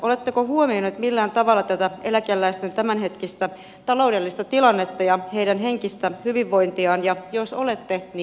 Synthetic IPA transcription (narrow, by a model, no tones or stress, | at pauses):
ʔo̞le̞t̪ːekohuomionut̪milːæːnt̪ɑʋɑlːɑt̪æt̪æelækelːæist̪ent̪æmænɦe̞t̪kist̪æ | t̪ɑlo̞wdelːist̪ɑt̪ilɑnːet̪ːɑjɑheidænɦeŋkist̪æhyʋiʋːo̞int̪iɑːnjɑjosolet̪ːen